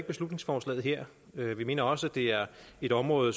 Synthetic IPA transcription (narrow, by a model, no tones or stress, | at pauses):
ɡ̥̚b̥e̝slud̥ne̝ŋsfɒːslɛ̰ːð̩ˠɦeɐ̰ | øʋime̝̰ːnɐɒ̽səæd̥e̝æɐe̝ɾ̥ɒ̽mʁɔ̽ːð̩ˠ